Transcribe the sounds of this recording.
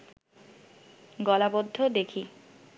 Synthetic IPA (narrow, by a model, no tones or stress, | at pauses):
ɡɔlabod̪ʱːod̪ekʰi